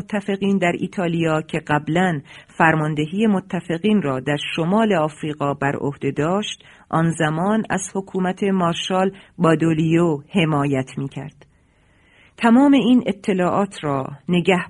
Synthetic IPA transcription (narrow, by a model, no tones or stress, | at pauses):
t̪ʰːæfe̞ɣiːnd̪æɾʔḭːt̪ʰɒːlijɒːcʰe̞ɢæblænfæɾmɒːnd̪e̞ɦiːje̞mot̪ʰːæfe̞ɣiːnrɒːd̪æɾʃo̞mɒːle̞ɒːfɾiːɣɒːbæɾo̰hd̪̥e̞d̪ɒːʃt̪ʔɒːnzæmɒːnæ̰z̥ho̞kʰuːmæt̪ʰe̞mɒːɾʃɒːlbɒːd̪olijohe̞mɒːjæt̪ʰmiːcʰæ̰ɾd̪̥ | t̪ʰæmɒːme̞iːnet̪ʰːe̞lɒːʔɒːt̪ʰɾɒːne̞ɟæh